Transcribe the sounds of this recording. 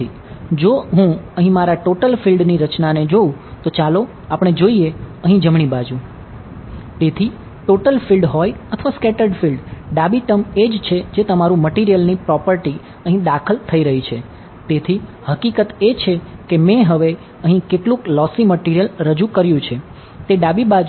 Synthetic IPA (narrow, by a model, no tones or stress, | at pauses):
i | d͡ʒoɦũəɦĩmaɾaʈoʈəlfilɖniɾət͡ʃnaned͡ʒoũt̪ot͡ʃalo | apɽ̃ed͡ʒoieəɦĩd͡ʒəmɳ̃ibad͡ʒũ | t̪et̪ʰi | ʈoʈəlfilɖɦɔjət̪ʰəʋaskɛʈəɾɖfilɖɖabiʈəmed͡ʒt͡ʃʰed͡ʒet̪əmaɾũməʈiɾijəlnipɾɔpəɾʈi | əɦĩd̪akʰəlt̪ʰəiɾəɦit͡ʃʰe | t̪et̪ʰihəkikət̪et͡ʃʰekemɛ̃ɦəʋe | əɦĩkeʈlũklɔsiməʈiɾijəlɾəd͡ʒukəɾjũt͡ʃʰe | t̪eɖabibad͡ʒ